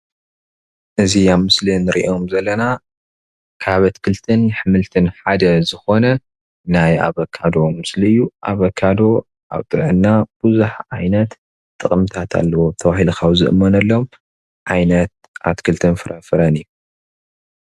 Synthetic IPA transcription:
ʔɨziamɨslinɨɾiʔo̞mzɐlːɐna | kʰaβɐt̪kʰɨlt̪ʰɨnħɨmɨlt̪ʰɨnħad̪ɐzɨxo̞nɐ | naja̰βɐkʰːad̪o̞mɨsliɨjːuʔa̰βɐkʰːad̪o̞ | ʔa̰βt̪ʼɨɾʕɨnːab̥ɨzuħʕajnɐt̪ | t̪ʼːɨkʼɨmt̪ʰat̪ʰa̰lːɐwot̪ʰɐβahilkʰawzɨ̰ʔɨmːɐnɐlːom | ʕajnɐt̪̚ | ʔat̪kʰɨlt̪ʰɨnfɨɾʔɐfɨɾɐnɨjːu

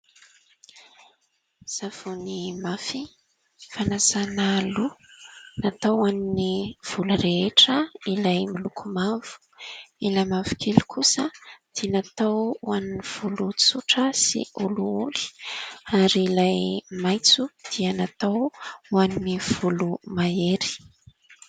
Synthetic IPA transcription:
z̥av̥unimafi | fanazanalunat̪awaniniv̥ulureeʈ͡ʂəilajmilukʰumav̥u̥ | ilajmavu̥kʰelu̥kʰusəd̪̥inat̪awuaniniv̥ulut͡suʈ͡ʂəsḭuluuli̥aɾiilajmajt͡sud̪̥iənat̪awwaniniv̥ulumaeɾi̥

